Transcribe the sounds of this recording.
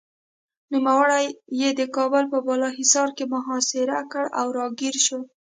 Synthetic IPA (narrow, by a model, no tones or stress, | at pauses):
numawaɽajːed̪əkɑbəlpəbɑlɑɦɪsɑɾkemʊɦɑsɪɾakəɽawɾɑɡiɾʃo